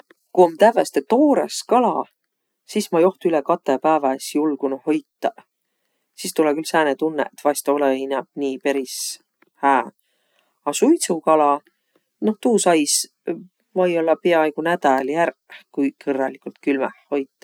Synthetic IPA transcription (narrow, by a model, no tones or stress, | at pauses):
kuomt̪ævest̪et̪o̞ːɾḛskɑlɑ̰ | sismɑjo̞ht̪uylekɑt̪ːˑepæːvɑsjulɡ̥unuho̞jt̪ːˑɑ | siːst̪ulɛkylsæːnet̪unːḛt̪ːvɑjst̪o̞leinæb̥̚niːpe̞ɾis | hæː | ɑsujt̪sukɑlɑ | no̞ht̪uːsɑjs | mɑjolːɑpeɑeɡ̥unæd̪̥ɑljærkujkʰɤrːɑlikult̪̚kylmɛhho̞jt̪ːˑɑ̥